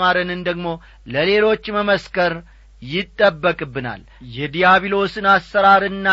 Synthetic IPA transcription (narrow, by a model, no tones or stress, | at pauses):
maɾənɨnd̪əɡmo̞ | ləle̞lo̞t͡ʃːməməskəɾ | jɪt̪ʼːəbːəkʼɨbːɨna̰l | jɛd̪ijaβilo̞sɨnasːəɾaɾɨnːa